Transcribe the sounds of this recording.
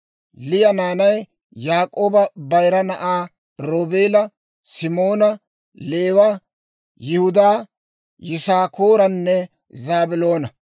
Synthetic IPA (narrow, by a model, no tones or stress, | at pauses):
lɪjɐnaːnɐj | jaːkʼoːbɐbɐjɾɐnɐʔaː | ɾoːbeːlɐ | sɪmo̞ːnɐ | leːwɐ | jɪhʊd̪aː | jɪsaːkoːɾɐnːɛ | zaːbɪlo̞ːnɐ